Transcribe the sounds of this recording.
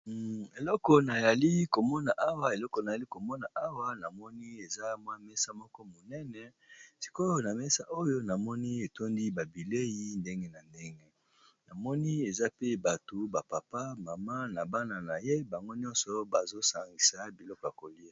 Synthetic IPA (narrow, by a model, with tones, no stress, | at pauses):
e˨lɔ˦kɔ˨na˨ja˨li˦ko˨mɔ˦na˨ʔa˦wa˨e˨lɔ˦kɔ˨na˨a˨li˦ko˨mɔ˦na˨ʔa˦wa˦na˨mɔ˦ni˦e˨za˦mwa˦mɛ˦sa˦mɔ˦kɔ˦mo˨nɛ˦nɛ˨ | si̥˨ko˦jo˦na˨mɛ˦sa˦ʔo˦jo˦na˨mɔ˦ni˦e˨to˦ndi˦ba˨bi˨le˦ji˦nde˦ŋɡe˦na˨nde˦ŋɡe˦ | na˨mɔ˦ni˦e˨za˦pe˦ba˨to˨ba˨pa˨pa˦ma˨ma˦na˨ba˦na˨na˨je˦ba˨ŋɡo˦ɲɔ̃˦nsɔ˨ba˨zo˦sa˨ŋɡi˨sa˨˦bi˨lɔ˦kɔ˨ja˨ko˨li˦a˦˨